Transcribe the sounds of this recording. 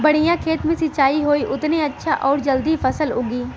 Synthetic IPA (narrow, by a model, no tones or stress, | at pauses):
bəɽ̃ɪjãːkʰeːt̪mẽsɪt͡ʃaːiɦoːiʔʊt̪neɐtːʃʰaʔɔːɾd͡ʒəld̪ipʰəsəlʊɡiː